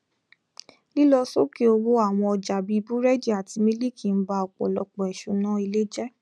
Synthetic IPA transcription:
li˦lɔ˧so˦ki˦o˧wo˦a˦˨w̃ɔ̃˧ɔ˧d͡ʒa˨bi˨˧˦bu˦ɾɛ˦d͡ʒi˦˨a˨ti˧mĩ˦li˦kʰĩ˨n̩˦ba˧ɔ˨k͡pɔ̰˨lɔ˧k͡pɔ˨ɛ˨ʃo˨˧nã˦i˧le˦d͡ʒɛ˦

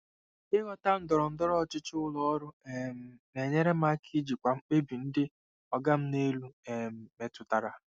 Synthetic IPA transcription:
ɪ˦ɣɔ˦ta˦n̩˦dɔ˨ɾɔ˨n̩˦dɔ˦ɾɔ˦˨t͡ʃɪ˦t͡ʃʊ˦lɔ˦ɔ˦ɾʊ˦e˨m̩˦ne˨ɲe˦ɾe˦m˦a˦kʰi˦d͡ʒi˨kʷa˨ŋ͡m̩˦k͡pe˦bi˨n̩˦dɪ˦ | ɔ˦ɡa˦m̩˦ne˦lu˦e˨m̩˨me˨tʊ˨ta˨ɾa˨

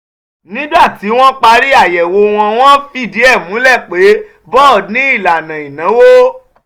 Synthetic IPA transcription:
nĩ˦ba˦˨ti˨˦w̃ɔ̃˦k͡pa˧ɾi˦a˦˨jɛ˨wo˧w̃ɔ̃˧w̃ɔ̃˦fi˦˨di˨˦ɛ˦˨mũ˨˦lɛ˦˨k͡pe˨˦ | bɔ˦˨nĩ˦i˦˨la˨nã˨i˨nã˨˦wo˦

